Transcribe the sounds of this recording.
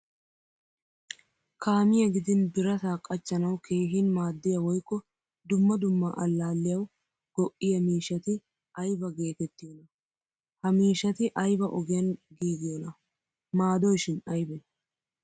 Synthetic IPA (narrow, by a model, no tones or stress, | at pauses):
kʰaːmɪjɐɡɪd̪ɪnbɪɾɐsaːkʼːɐt͡ʃːɐnɐwkʰeːɦɪnmaːd̪ːɪjɐwɔjkːɔ | d̪ʊmːɐd̪ʊmːaʔɐlːaːlːɪjɐw | ɡ̥ɔʔːɪjɐmiːʃɐt̪ɪ | ɐjbɐɡe̞ːt̪ɛt̪ːɪjɔnɐ | hɐmiːʃɐt̪ɪʔɐjbɐʔɔɡɪjɐnɡiːɡɪjɔnɐ | maːd̪ɔjʃɪnɐjbɛ